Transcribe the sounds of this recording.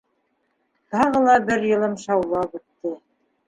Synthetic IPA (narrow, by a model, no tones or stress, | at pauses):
t̪ɑʁɤ̆lˠɑbɘɾjɤ̆lˠɤmʃɑwlˠɑβʉt̪ːɘ